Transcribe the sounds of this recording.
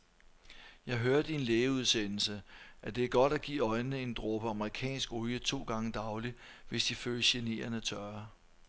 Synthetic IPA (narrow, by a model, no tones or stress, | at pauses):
jɑ̈ɪɦøːɐd̥əie̝nleːuð̞ˠsenl̩səʔæd̥e̝æɐɡ̥ɒ̽d̥æɡ̥ḭːɒ̽ɪnːəe̝nd̥ʁɔb̥əɑ̈məʁikʰɛ̰ːnsɡ̥ujət͡sʰo̝̰ːɡ̥ɑ̈ŋəd̥ɑ̈ʊli | ʋe̝sd̥iføːləɕe̝ne̝̰ːɐnət͡sʰɶɐ